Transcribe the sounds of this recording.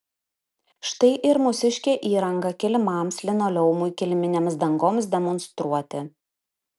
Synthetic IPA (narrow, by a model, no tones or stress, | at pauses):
ʃt̪ɐɪʔɪɾmʊsʲɪʃʲkʲeːʔiːɾɐŋɡɐkʲɪlʲmɑˑmslʲɪnoːlʲɛʊmʊɪkʲɪlʲmʲɪnʲeːmsd̪ɐŋɡoːmsd̪ʲɛmɔnst̪ɾuɔt̪ʲɪ